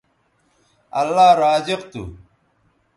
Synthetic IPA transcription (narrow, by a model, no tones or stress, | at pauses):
ɐlːaːɾaːziqt̪ṵ